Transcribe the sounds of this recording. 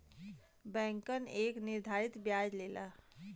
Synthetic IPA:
bɛ̃ŋkəneknɪɾd̪ʱaɾit̪bjad͡ʒlela

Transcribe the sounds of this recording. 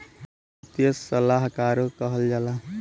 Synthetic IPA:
t̪jəsəlaɦkaːɾokəɦəld͡ʒaːla

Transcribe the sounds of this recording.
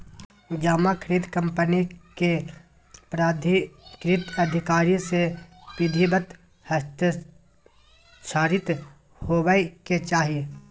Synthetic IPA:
d͡ʒaːmakʰəɾiːd̪kə̃mpənike | pɾaːd̪ʱikɾiːt̪ɐd̪ʱɪkaːɾisepɪd̪ʱibət̪ | həst̪ | t͡ʃʰaːɾɪt̪ | hoːwəket͡ʃaːɦie

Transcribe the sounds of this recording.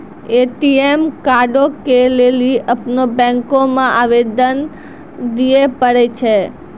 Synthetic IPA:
eʈiemkaɖokeleliəpnobɛ̃ŋkomãʔaʋed̪ən | d̪iepəɾet͡ʃʰe

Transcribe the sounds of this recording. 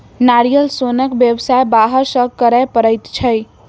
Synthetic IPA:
naɾijəlsonəkbjəbsaebaɦəɾsə̃kəɾəpəɾəjt̪t͡ʃʰəj

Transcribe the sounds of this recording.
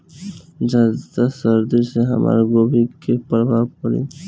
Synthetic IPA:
d͡ʒad̪t̪asəɾd̪iɾseɦa̰mʔa̰ɾɡobikepɾɔbʱabkɔɾḭ

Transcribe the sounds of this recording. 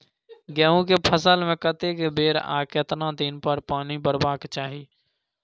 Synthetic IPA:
ɡɛːũk̬epʰəsəlmẽkət̪ekebeːɾa̰ːket̪nãd̪iːnpəɾpaːnibəɾbaːkt͡ʃaːɦiː

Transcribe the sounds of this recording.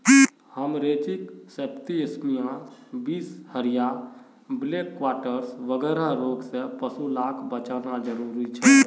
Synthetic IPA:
həmɾeːt͡ʃɪksept̪iəsmijãbiːshəɾija | bleːkːwaːʈəɾsʋəɡɛːɾaɾoːɡsepəsulaːkʰbət͡ʃanad͡ʒəɾuːɾit͡ʃʰɛ

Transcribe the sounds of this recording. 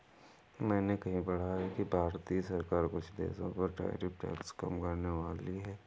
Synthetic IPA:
mɛ̃ːnekɐɦĩbɐɽ̤aɦɛkibʱaːɾt̪isɐɾkaːɾkʊt͡ʃʰd̪ḛːsõ̰pɐɾʈa̰ːjɾipʈɛ̰ːkskɐ̰mkɐɾneʋaːliɦɛː

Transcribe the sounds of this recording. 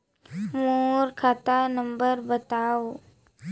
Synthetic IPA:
moɾkʰat̪anəmbəɾbət̪aʋ

